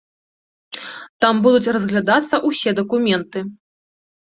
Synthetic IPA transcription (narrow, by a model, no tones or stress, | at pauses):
t̪ambud̪ut͡sʲrɐzɣlʲad̪at̪sːɐʔusʲɛd̪ɐkumʲɛnt̪ɨ